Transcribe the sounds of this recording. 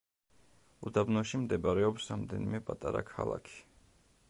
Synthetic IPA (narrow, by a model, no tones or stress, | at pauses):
ud̪abnɔʃimd̪ɛbaɾɛɔpsɾamd̪ɛnimɛpʼat̪ʼaɾa̰kʰa̰lˠa̰kʰi̥